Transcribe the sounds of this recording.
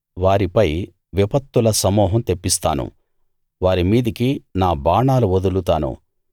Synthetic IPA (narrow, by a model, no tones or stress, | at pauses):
ʋaːɾipɐj | ʋipɐt̪ːulɐsɐmɔːɦɐmt̪epːist̪aːnṵ | ʋaːɾimiːd̪ikinaːbaːɳaːluʋod̪ulut̪aːnṵ